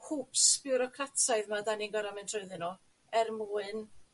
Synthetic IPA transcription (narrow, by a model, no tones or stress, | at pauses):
hʰuːpsb̥ɪwɾɔkʰatʰaɨðmadaninɡɔɾamɛntʰroɨðɨnɔ | ɛrmuːɨn